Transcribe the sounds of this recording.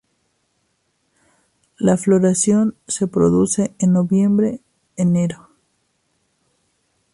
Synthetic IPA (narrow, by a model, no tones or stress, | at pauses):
laflo̞ɾasjo̞nse̞pɾo̞ðuse̞enːo̞βje̞mbɾe̞ | eneɾo̞